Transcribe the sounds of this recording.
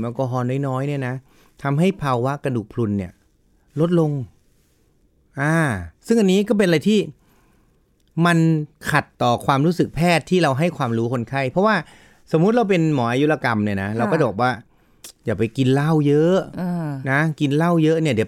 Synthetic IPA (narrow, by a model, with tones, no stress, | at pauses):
mʔaː˧˩kɔː˧ɦɔː˧nɔː˥˩jnɔː˦˥jni˥˩ɐna˦˥ | t̪ʰa˧mɦa˥˩jpʰaː˧wa˦˥ʔka˧ndu˨˩k̚pʰlu˧nːi˥˩ɐ | lo˦˥t̪̚lo˧ŋ | ʔaː˧˩sɯ˥˩ŋʔa˧nːiː˦˥kɔː˥˩pe˧na˧ɾa˧jt̪ʰiː˥˩ | ma˧nkʰa˨˩t̪ːɔː˨˩kʰwaː˧mɾuː˦˥sɯ˨˩k̚pʰɛː˥˩t̪ʰːiː˥˩ɾa˧wɦa˥˩jkʰwaː˧mɾuː˦˥kʰo˧nkʰa˥˩jpʰɔ˦˥waː˥˩ | so˩˦mːu˦˥t̪̚ɾa˧wp̬e˧nmɔː˩˦ʔaː˧ju˦˥la˧ka˧mni˥˩na˦˥ɾa˧wkɔː˥˩t͡ɕa˨bɔ˨˩k̚waː˥˩ | jaː˨˩kpa˧jki˧nla˥˩wjɤ˦˥ʔʔna˦˥ki˧nla˥˩wjɤ˦˥ʔni˥˩ɐd̪i˩˦